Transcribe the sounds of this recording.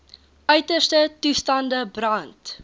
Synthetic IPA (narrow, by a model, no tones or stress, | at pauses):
ʔœɥtəstətustɐndəbrɐnt